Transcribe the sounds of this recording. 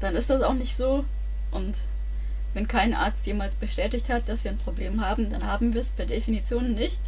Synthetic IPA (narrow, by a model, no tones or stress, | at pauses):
d̥anɪstd̥asaʊxnɪçtz̥oː | ʔʊnt | vɛnkʰaɪnʔa̰ɐt͡stjeːmalsb̥əʃtɛːtɪçthat̚d̥asv̥iːɐanpʁ̥obleːmhaːbm̩danhaːbm̩viːɐsb̥aɐdefinit͡sjoːnənːɪçt